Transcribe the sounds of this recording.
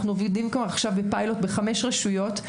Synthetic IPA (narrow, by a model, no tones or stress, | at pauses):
χnuovidimkvaaχʃavbepajlo̞t̪beχame̞ʃʁaʃujo̞t̪